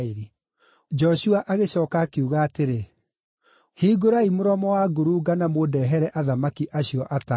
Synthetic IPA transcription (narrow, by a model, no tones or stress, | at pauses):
ɾi | d͡ʒɔɕuaʔaɣeɕɔːkakeuɣaːteɾe | hiːɡoɾaimoɾɔmɔwaɡoɾuɡanamodɛɦɛɾɛʔaðamakiʔaɕiɔʔata